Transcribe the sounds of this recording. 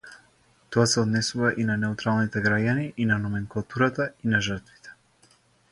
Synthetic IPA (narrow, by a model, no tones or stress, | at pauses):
t̪ɔasɛɔd̪nɛsuvaʔinanɛut̪ɾalˠnit̪ɛɡɾaɟaniʔinanɔmɛŋkulˠat̪uɾat̪ainaʒərɾt̪vi̥t̪ɛ̥